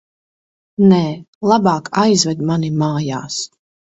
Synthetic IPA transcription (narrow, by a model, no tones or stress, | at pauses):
nɛːlˠabɑːkajzvɛd̪manimaːja̰ːs